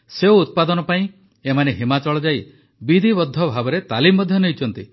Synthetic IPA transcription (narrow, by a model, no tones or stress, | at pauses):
seuut̪̚pad̪ɔnɔpaĩ | emaneɦimat͡ʃɔɭɔd͡ʒaj | bid̪ʱibɔd̪ʱːɔbʱabɔɾet̪alimːɔd̪ʱjɔneɦjt͡ʃʰɔnt̪i